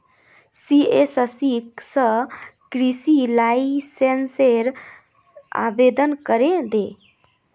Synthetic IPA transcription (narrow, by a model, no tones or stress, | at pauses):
siesəsiksə̃kɾisilaisenseɾ | a̰bed̪ənkəɾed̪e